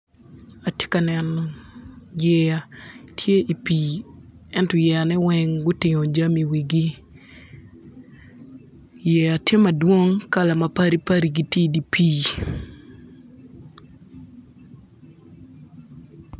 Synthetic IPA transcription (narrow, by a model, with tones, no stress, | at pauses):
a˨tjɪ̥˦ka˨nɛ˨nɔ | jɛ˦ja˨tʰje˦ʔi˨pi˨ | ɛ˦ntɔ˨jɛ˨a˨nɛ˦wɛ˦ŋɡʊ˦tɪ˨ŋo˨d͡ʒa˦mi˨wi˨ɡi˦ | jɛ˨a˨tje˦ma˨dwo˦ŋka˦la˨ma˨pa˦ɾi˦pa˦ɾi˨ɡi˦ti˦di˨pʰi˦